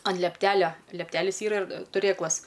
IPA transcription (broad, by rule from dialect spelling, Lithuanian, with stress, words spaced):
ɐn lʲiɛpʲˈtʲæːlʲɛ lʲiɛpʲˈtʲæːlʲɪs ˈiːrɐ ɪr tʊˈrʲeːklˠɐs